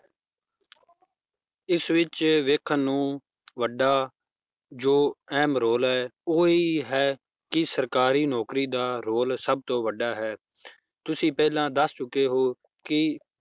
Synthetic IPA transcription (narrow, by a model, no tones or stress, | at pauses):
ɪsʋɪt͡ʃʋeːkʰənːũː | ʋəɖaː | d͡ʒoːɛːmɾoːlɦɛːoːiːɦɛː | kɪsəɾkaːɾiːnɔːkɾiːd̪aːɾoːlsəb̚t̪õːʋəɖaːɦɛː | t̪ʊsĩːpɛːlãːd̪əst͡ʃʊkːeːɦoː | kɪ